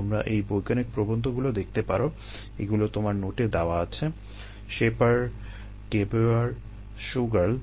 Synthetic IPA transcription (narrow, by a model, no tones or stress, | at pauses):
amɾaʔejbojkanek̚pɾobond̪ʱoɡulod̪ek̚ʰt̪epa̰ɾo | ḛɡulot̪omaɾnoʈed̪aoaat͡ɕʰe | ʃepaɾ | kepuaɾ | ʃuɡal